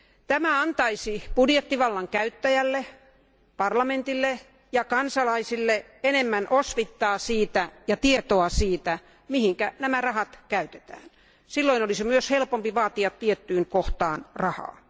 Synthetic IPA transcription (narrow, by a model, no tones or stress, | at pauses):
t̪æmæɑnt̪ɑisipudjet̪ːiʋɑlːɑŋkæyt̪ːæjælːe | pɑrlɑment̪ilːe | jɑkɑnsɑlɑisilːe | enemːænʔosʋit̪ːɑːsiːt̪æjɑt̪iet̪oɑsiːt̪æ | mihiŋkænæmærɑhɑt̪kæyt̪e̥t̪æ̰ːn | silːoinolisimyøshelpompiʋɑːt̪iɑt̪tiet̪ːyːnkoht̪ɑːnrɑhɑ̰ː